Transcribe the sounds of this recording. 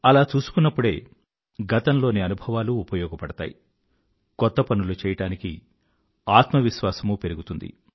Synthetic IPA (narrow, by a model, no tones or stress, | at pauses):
ɐlaːt͡ʃuːsu̥kunːɐpːuɽe̞̰ː | ɡɐt̪ɐnlo̞ːniɐnubʱɐʋaːluːpɐjɔːɡɐpɐɽɐt̪a̰ːjḭ | kɔt̪ːɐpɐnulut͡ʃɛːjɐʈaːnikḭ | aːt̪mɐʋiʃʋaːsɐmupe̞ɾuɡut̪und̪ḭ